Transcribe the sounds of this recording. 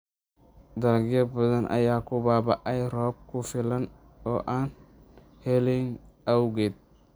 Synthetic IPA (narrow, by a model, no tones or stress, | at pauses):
d̪ɐlɡɪjɐbɐðɐnʔɐ̰jaːkʊbaːbɐʔɐjrɔːb̚kʰʊfɪlɐn | ɔːʔaːn | hɛlɛŋɐwɡɛd̪̚